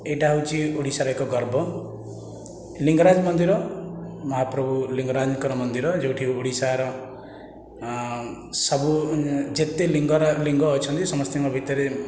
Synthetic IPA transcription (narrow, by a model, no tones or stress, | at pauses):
eɖaɦwt͡ʃiuɽisaɾʌjkoɡʌrbʱʌ | liŋɡɾad͡zmʌnd̪iɾʌmʌɦaprʌbuliŋɡɾad͡znkʌɾɔmʌnd̪iɾʌd͡ʒewʈʰiuɽisaɾʌ | sʌbud͡zet̪eliŋɡɾliŋɡɔɦot͡ʃʰʌnt̪isʌmʌst̪jemabʱit̪ʌɾe